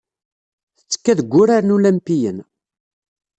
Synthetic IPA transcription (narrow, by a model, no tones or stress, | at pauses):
θə̥t͡sːə̥kːæðəɡʷːʊɾaɾnulæmpijən